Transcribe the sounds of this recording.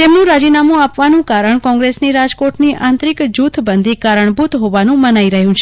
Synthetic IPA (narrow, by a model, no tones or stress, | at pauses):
t̪emnũɾad͡ʒinamũapʋanũkaɾəɳkɔ̃ŋɡɾesniɾad͡ʒkoʈniʔãnt̪ɾikd͡ʒut̪ʰbənd̪ʱikaɾəɳbut̪ɦoʋanũmənaiɾəɦjũt͡ʃʰe